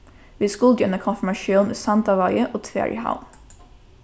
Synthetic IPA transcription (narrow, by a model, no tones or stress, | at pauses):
ʋiːskʊld̪jœnəkʰɔnfɪmɑʃjuːnḛːsɑnd̪ɑʋɑɪəʔoːt̪ʰʋḛːɹʔɪ̰ha̰ʊn